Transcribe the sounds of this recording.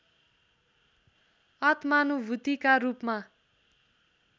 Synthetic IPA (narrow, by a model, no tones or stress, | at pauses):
ʌt̪manubʱut̪ikaɾupma